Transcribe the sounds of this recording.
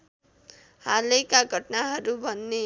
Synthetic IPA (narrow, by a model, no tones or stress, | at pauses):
halekaɡʱʌʈnaɦʌɾubʱʌnːe